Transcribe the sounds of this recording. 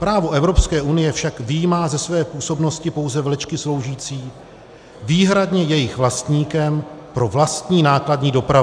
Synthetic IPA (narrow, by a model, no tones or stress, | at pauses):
pɾaːvo̞ʔɛvɾo̞pskɛːʔunɪjɛfʃakvɪjimaːzɛsvɛːpuːso̞bno̞scɪpo̞wzɛvlɛt͡ʃkɪslo̞wʒiːt͡siː | viːɦɾadɲɛjɛjɪxvlast̪ɲiːkɛmpɾo̞vlast̪ɲiːnaːkladɲiːdo̞pɾav